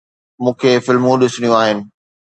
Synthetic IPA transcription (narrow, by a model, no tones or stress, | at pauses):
mũːkʰeːfɪlmũɗɪsʊɽ̃ijũaːɦɪnɪ̆